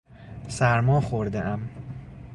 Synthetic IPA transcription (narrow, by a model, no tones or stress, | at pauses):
sæɾmɒːxoɾd̪eʔæm